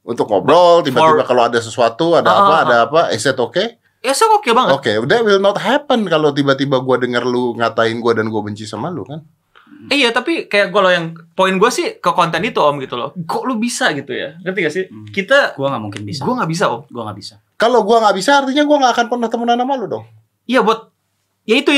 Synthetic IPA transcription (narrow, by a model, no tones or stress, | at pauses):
ṵnt̪ʊk̚mo̰bɔlt̪ibat̪ibakaloadas̬əsuat̪uadaːpaːdaːpaʔɛ̰sɛt̪oke | ɛsɛt̪okebaŋətokedɛt̪̚wɪlnɔt̪̚ɦɛpənkalot̪̬ibat̪ibaɡuadəŋərluŋat̪aɪnɡuadanɡuabəɲt͡ʃisamalukan | ijat̪apikajakɡualojaŋpoɪnɡuasɪhkəkɔnt̪ɛnit̪uɔmɡit̪ulɔ̰ɡɔʔlubisaɡit̪uja̰kət̪ikasɪkit̪aɡuaŋaʔmuŋkɪnbisɡuaŋaʔbis̬aɔ̰mɡuaŋa̰bisa | kaloɡuaŋaʔbisaːrt̪iɲaɡuaŋakanpərnəht̪əmunanamaludɔŋ | ijabuat̪̚ | jait̪u